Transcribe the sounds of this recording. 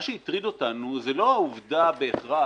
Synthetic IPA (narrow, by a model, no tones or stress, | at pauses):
ʃeit̪ʁid̪o̞t̪anuzelo̞auvd̪abe̞ːχʁa